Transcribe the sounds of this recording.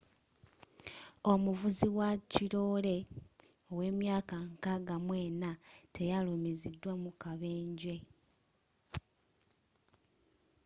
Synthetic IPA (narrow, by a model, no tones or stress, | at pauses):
o̞muvuziwaciɾo̞ːle̞ | o̞we̞ːmjaːkaŋkaɡamwe̞ːnatʰe̞jalumizidːwamukaβe̞ːɲɟe̞